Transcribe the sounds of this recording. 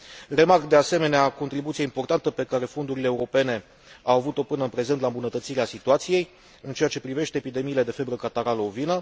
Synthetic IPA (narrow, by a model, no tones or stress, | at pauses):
re̞markd̪e̞ase̞me̞neako̞nt̪ɾibut̪sijeimpo̞rt̪ant̪əpe̞kaɾe̞fo̞nd̪uɾileːuɾo̞pe̞ne̞ | awavut̪o̞pɨnəɨnpɾe̞zent̪laɨmbunət̪ət̪siɾeasit̪uat̪sije̞j | ɨnt͡ʃe̞jat͡ʃe̞pɾive̞ʃt̪eːpid̪e̞miːle̞d̪e̞fe̞bɾəkat̪aɾaloovinə